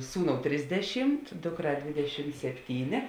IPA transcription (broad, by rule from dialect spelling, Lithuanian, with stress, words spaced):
ˈsuːˌnoːʊ ˈtʲrʲɪzʲdʲɛˌʃʲɪmt ˈdʊkˌrɑː ˈdʲʋʲeːdʲɛˌʃʲɪm sʲɛpʲˈtʲiːnʲeː